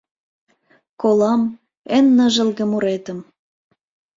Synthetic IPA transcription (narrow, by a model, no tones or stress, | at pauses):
kolɑm | enːəʒə̆lɣə̆muɾet̪ə̆m